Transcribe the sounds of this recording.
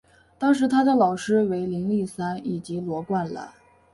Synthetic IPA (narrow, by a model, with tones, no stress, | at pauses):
t̪ɑ˥ŋʂ̬ɻ̩˧˥t̪ʰa˥d̪ə˧˩lɑ˨˩ʊʂɻ̩˥we˧˥ɪli˧˥ŋli˥˩sa˥ni˨˩t͡ɕi˧˥lwɔ˧˥kwa˥˩nlə̰˩